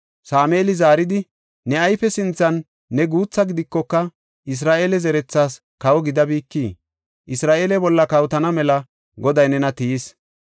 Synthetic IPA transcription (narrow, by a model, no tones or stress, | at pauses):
saːmeːlɪzaːɾɪd̪ɪ | nɛɐjfɛsɪnt͡sːɐnː | ɛɡuːt͡sːɐɡɪd̪ɪkːɔkːɐ | ʔɪs̬ɾaːʔeːlɛzɛɾɛt͡sːaːs | kɐwɔɡɪd̪ɐbiːkːiː | ʔɪsɾaːʔeːlɛbɔlːɐkɐwt̪ɐnɐmɛlɐ | ɡɔd̪ɐjnɛnɐt̪ijis